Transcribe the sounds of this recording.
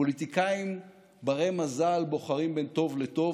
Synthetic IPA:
olit̪ikaim | baʁemazalbo̞χaʁimbent̪o̞vlet̪o̞

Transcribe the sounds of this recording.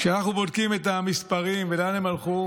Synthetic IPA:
ʃeanaχnubodkime̞t̪amispaʁimvelanemalχu

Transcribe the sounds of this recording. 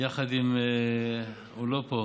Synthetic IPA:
jaχad̪im | ulopo

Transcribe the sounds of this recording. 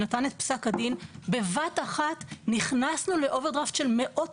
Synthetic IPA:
natanet̪̚psakadinbe̞vataχatniχnasnule̞ʔo̞veʁd̪ʁaftʃe̞lme̞ʔo̞t

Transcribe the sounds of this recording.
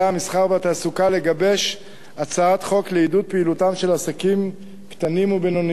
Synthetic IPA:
aamisχaʁveat̪aːsukale̞ɡabe̞ʃ | at͡saat̪χo̞kleidut̚peilutamʃe̞lasakim | kt̪animubenon

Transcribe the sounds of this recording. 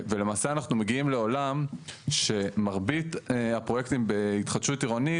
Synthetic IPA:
velemaːseanaχnume̞ɡiimle̞o̞lamʃe̞maʁbit̪apʁojekt̪imbe̞it̪χadʃutiʁoni

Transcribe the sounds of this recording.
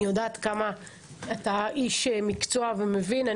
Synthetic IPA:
jod̪aːt̪kama | at̪aiʃemikt͡soavemevina

